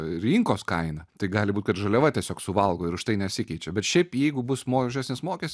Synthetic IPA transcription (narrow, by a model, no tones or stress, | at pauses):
ɾʲiŋkoːskɐɪnɐt̪ɐɪɡɑːlʲɪbuːt̪ʲkɐt̪ʒɐlʲɛʋɐt̪ʲɛsʲoːksʊʋɐlˠɡoːɪɾʊʃt̪ɐɪnʲɛsʲɪkʲɛɪt͡ʃʲɛbʲɛt̪ʃʲɛɪpjɛɪɡʊbʊsmoːʒʲæːsʲnʲɪsmoːkʲestʲ